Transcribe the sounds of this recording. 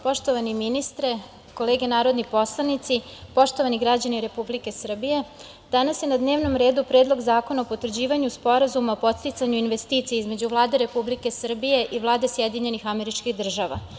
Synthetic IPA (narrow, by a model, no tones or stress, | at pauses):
po̞ʃt̪o̞ʋaniminist̪ɾe | ko̞leːɡenaːɾo̞d̪nipo̞slˠanit̪sipo̞ʃt̪o̞ʋaniɡɾad͡ʑaniɾe̞publike̞sr̩bije̞ | d̪̥anasjenad̪ne̞ːʋno̞mɾe̞ːd̪upɾed̪lˠo̞ɡzaːko̞naopot̪vrd͡ʑiːʋaɲuspo̞ɾazumaopo̞t̪st̪it̪saɲuinʋest̪iːt̪sijeizme̞d͡ʑuʋlˠaːd̪eɾe̞publike̞sr̩bije̞ʔiʋlˠaːd̪esjed̪iɲe̞nixame̞ɾit͡ʃkiɣd̪r̩ʒaʋa̰